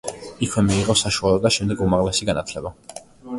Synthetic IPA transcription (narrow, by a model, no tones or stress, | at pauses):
ikʰwɛmiːʁɔsaʃualˠɔd̪aʃɛmd̪ɛɡumaʁlɛsiɡanat̪ʰlɛba